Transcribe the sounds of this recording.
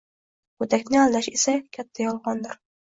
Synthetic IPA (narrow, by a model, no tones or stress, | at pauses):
bot̪ʰakʲnɪalˠd̪aʃesakʲʰat̪ʰːajɒlˠʁɒnd̪ɪɾ